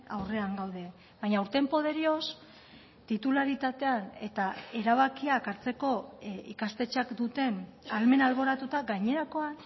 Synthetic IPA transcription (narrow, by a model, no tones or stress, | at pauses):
a̰wre̞aŋɡawð̞e̞ | βajɲawɾt̪e̞mpo̞ð̞e̞ɾio̞s | t̪it̪ulaɾit̪at̪e̞ane̞t̪ae̞ɾaβ̞akiakaɾt͡se̞ko̞ḭkast̪e̞t͡ʃakd̪ut̪e̞nalme̞nalβo̞ɾat̪ut̪aɡajɲe̞ɾako̞a